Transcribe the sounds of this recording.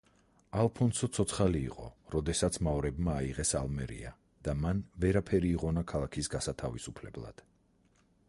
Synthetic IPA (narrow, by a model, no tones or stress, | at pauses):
alˠpʰɔnsɔt̪sʰɔt̪sʰχalḭːqʼɔ̰ɾɔd̪ɛsat̪sʰmaɔɾɛbmaːiʁɛsa̰lˠmɛɾḭa̰ | d̪̥amanvɛɾapʰɛɾiːʁɔnakʰalˠakʰisɡasat̪ʰavisupʰlɛblˠa̰d̪̥